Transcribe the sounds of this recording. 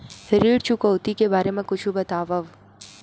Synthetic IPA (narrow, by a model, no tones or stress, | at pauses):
hɪɾiːɽt͡ʃʰukowt̪ikebaːɾemẽkʊt͡ʃʰubɐt̪aːʋɐʋ